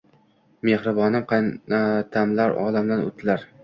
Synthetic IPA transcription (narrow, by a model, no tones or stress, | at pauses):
mehɾɪbɒnɪmqʰɑjnat̪ʰamlaɾɒ̰lamd̪ano̰t̪ʰɪlaɾ